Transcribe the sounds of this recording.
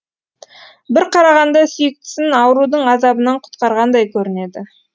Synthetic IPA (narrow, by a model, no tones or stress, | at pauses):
bɪɾqʰɑɾɑʁɑnd̪ɑsʏjɪk̚t̪ɪ̥sɪnɑwəɾud̪əɴɑzɑbənɑɴqʰʊ̥t̪qɑɾʁɑnd̪ɑjkʲʰɵɾɪne̞d̪ɪ